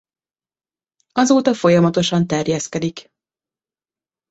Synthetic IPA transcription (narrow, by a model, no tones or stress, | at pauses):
ɒzoːt̪ɒfo̞jɒmɒt̪o̞ʃɒnt̪ɛrjɛskɛd̪ik